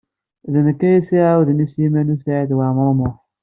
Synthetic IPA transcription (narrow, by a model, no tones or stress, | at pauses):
ðɪnikeisiawuðɪnisimenusad̪wamʊɾmɔ